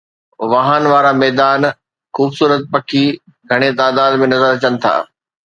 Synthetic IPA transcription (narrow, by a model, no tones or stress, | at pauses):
ʋaɦanʋaːɾamɛːd̪aːn | xuːbsuːɾət̪̚pɐkʰi | ɡʱɐɽ̃et̪aːd̪aːd̪mẽnɐzəɾɐt͡ɕənɪ̆t̪ʰa̰ː